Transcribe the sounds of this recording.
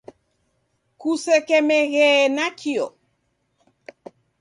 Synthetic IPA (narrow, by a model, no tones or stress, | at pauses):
kusekɛmeɣɛnakʰio